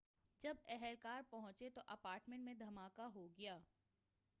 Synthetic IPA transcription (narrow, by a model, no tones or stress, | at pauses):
d͡ʒɐbɛɦɛlkaːɾpɐɦʊ̃t͡ʃet̪oʔɐpaːɾʈmẽɳʈmẽd̪ʱɐmaːkaɦoɡɐjaː